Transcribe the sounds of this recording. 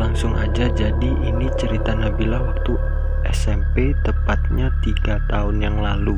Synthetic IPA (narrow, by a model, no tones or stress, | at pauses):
laŋsʊŋad͡ʒad͡ʒadiʔinit͡ʃəɾit̪anabilahwak̚t̪u | ʔɛsɛmpet̪əpat̪̚ɲat̪iɡat̪aʊnjaŋlalu